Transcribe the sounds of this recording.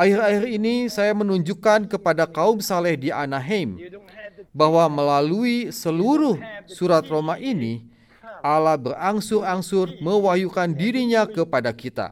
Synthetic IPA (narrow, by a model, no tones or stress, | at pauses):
ʔairairinisajamənuɲd͡ʒukankəpadakaumsalɛhdianaɦɛm | bahwaməlaluisəluɾʊhsuɾat̪romaʔini | alahbəraŋsʊɾaŋsʊrməwaɦjukandiɾiɲakəpadakit̪a̰